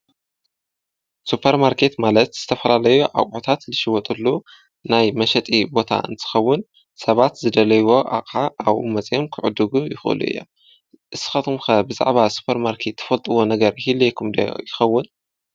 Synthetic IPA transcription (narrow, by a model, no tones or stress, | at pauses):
supʰɐɾmaɾkʰe̞t̪malɐt̪z̥ɨt̪ʰɐfɐlalɐjuʔa̰wʕot̪ʰat̪lɨʃɪwɐt̪ʼulːu | najmɐʃɐt̪ʼibo̞t̪ʰa̰ʔɨ̰nt̪ʰɨ̥xɐwːʊn | sɐβat̪zɨd̪ɐlɐjwo̞ʔa̰kʼħaʔaβmɐt͡sʼjomkʰɨʕʊd̪ːɨɡujɪxʔɨ̰lṵʔɨ̰jːo̰m | ʔɨsɨ̥xɐt̪ʰumxɐbɨza̰ʕβasu̥pʰɐɾmaɾkʰe̞t̪ʰːɐ̥fɐlt̪ʼɨwo̞nɐɡɐɾhilejkʰumd̪ɐ̰jɪxɐwːʊn